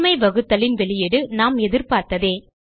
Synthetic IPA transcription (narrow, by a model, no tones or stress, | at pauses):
mɐɪʋɐɣɯt̪ːɐlɪnʋɛɭɪjɛɽɯnaːmɛðɪɾpaːɾt̪ɐðeː